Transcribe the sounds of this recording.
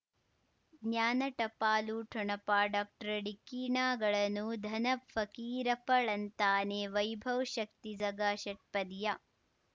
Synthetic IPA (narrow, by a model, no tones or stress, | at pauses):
ɡɲaːnɐʈɐpaːluːʈʰɐɳɐpaːɖaːk̚ʈɐɾɐɖikːiːɳaːɡɐɭɐnud̪ʱɐnɐpfɐkiːɾɐpɐɭɐnt̪aːneːʋɐjbʱɐʋʃɐk̚t̪id͡ʒɐɡaːʃɐt̪̚pɐd̪ija